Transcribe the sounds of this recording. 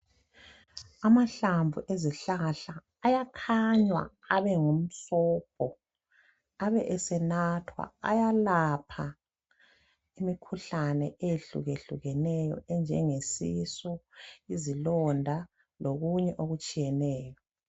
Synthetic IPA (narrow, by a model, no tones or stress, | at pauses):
amaɬaɱvuʔeziɬaɬaː | jakʰaɲwa̰ | aβɛŋum̩ɬɔːp̚ʰɔ | aβɛʔɛsɛnatʰwa̰a̰jalapʰa | imikʰuɬanɛejeɬṵɣeɬṵɣɛnɛjɔ̰ɛnd͡ʒʱɛŋesisɔizilɔndʱa | loɣuɲɛʔoɣut͡ʃʼijɛnɛːjɔ